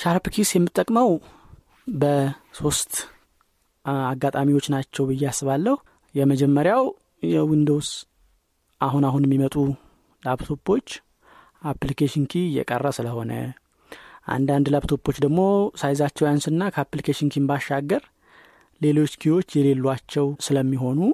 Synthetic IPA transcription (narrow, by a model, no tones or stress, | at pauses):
ʃaɾpkʰisjɛmːɨt̪ʼːəkʼməw | bəso̞st̪ | aɡːat̪ʼamiwo̞t͡ʃːnat͡ʃːɛwbɨjːasːɨβalːəhu | jɛməd͡ʒɛmːəɾjaw | jɛwind̪o̞ws | ʔaɦunaɦunjɛmːimət̪ʼu | laβt̪ʰo̞pːo̞t͡ʃː | ʔaplikʰeʃinkʰijɛ̰kʼə̰rːəsɨləho̞nə̰ | ʔa̰nd̪and̪laβt̪ʰo̞pːo̞t͡ʃːd̪əɡmo̞sajzat͡ʃːɛwjansɨnːakʰəaplikʰeʃinkʰimbaʃːaɡːəɾ | le̞lo̞t͡ʃːkʰiwo̞t͡ʃːjɛle̞lːuat͡ʃːɛwsɨləmːiɦo̞nu